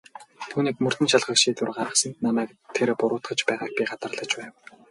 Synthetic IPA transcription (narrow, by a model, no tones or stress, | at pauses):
t̪ʰuːniːkmɵr̥t̪ɘ̆nʃaɮχə̆kʃiːt̪urɢaɾə̆χsə̆nt̪namæːk̚ | t̪ʰeɾpʊɾʊːt̪χə̆t͡ɕpæːʁaːk̚pʲiɢat̪ə̆rɮə̆t͡ɕpæːw